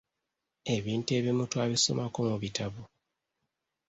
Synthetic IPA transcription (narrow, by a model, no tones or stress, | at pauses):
e̞βiːnte̞βimutwaβiso̞̰mako̞muβitʰaβo